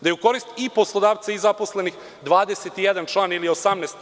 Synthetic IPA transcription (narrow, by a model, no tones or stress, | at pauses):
d̪ajeuko̞ɾist̪ipo̞slˠod̪aːʋt̪saizaposle̞nix | d̪ʋaːd̪eset̪ijed̪ant͡ʃlˠaːniliosamnɛːst̪